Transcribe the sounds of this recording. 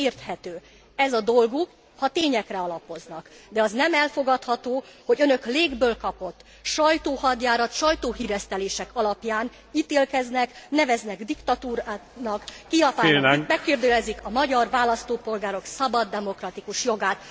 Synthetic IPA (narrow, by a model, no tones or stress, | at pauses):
eːrt̪hɛt̪øː | ɛzɒd̪o̞lɡuk | hɒt̪eːɲɛkrɛɒlɒpo̞znɒkd̪ɛɒznɛmɛlfo̞ɡɒt̪hɒt̪oːho̞ɟønø̞kleːɡbøːlkɒpo̞t̪ː | ʃɒjt̪oːhɒd̪jaːɾɒt̪ʃɒjt̪oːɦiːɾɛst̪ɛleːʃɛkɒlɒpjaːn | iːt̪eːlkɛznɛknɛvɛznɛɡd̪ikt̪ɒt̪uːɾanɒkːiɒtːɛmɛkːeːrd̪ølɛzikɒmɒɟɒrvaːlɒst̪oːpo̞lɡaːɾo̞ksɒbɒd̪ːɛmo̞krɒt̪ikuʃjo̞ɡaːt̪